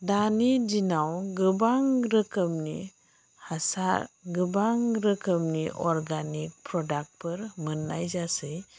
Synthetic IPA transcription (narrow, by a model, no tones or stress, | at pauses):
danid͡ʒinawɡɯbaŋɾəkəmni | hasaɾɡɯbaŋɾəkəmniʔɔɾɡanik̚pɾɔdak̚pəɾmənajzasɯj